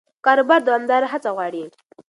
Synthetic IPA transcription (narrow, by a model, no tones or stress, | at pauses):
kaɾbaɾd̪oamd̪aɾaɦat͡saɣwaːɽi